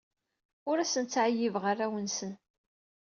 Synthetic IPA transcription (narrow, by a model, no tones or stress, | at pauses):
ʊɾæsənt͡sːʕajːivʁaræwənsən